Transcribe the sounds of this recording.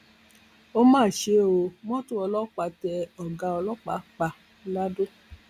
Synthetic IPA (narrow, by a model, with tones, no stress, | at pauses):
o˦mãː˦˨ʃe˨˦o˧mɔ̃˦tũ˦ɔ˧lɔ˦k͡pa˧tɛ˧ɔ˨ɡã˧ɔ˧lɔ˦k͡pa˨˦k͡pa˧ | la˦du˦